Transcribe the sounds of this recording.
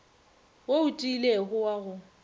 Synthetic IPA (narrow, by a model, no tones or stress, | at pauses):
woʊtʼileɣʊwaɣʊ